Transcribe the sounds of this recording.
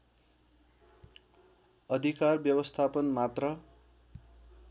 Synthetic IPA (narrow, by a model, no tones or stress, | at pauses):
ʌd̪ʱikarbjʌbʌst̪ʰapʌnmat̪rʌ